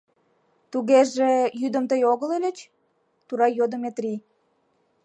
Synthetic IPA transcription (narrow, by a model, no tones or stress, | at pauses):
t̪uɣeʒejyd̪əmt̪əjoɣəlelʲət͡ɕ | t̪uɾɑjod̪omet̪ri